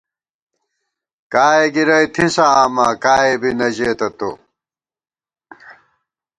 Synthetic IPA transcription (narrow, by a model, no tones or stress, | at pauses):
kaːeɡiɾɐjt̪ʰisɐaːmakaːebinɐʑeːt̪ɐt̪o̰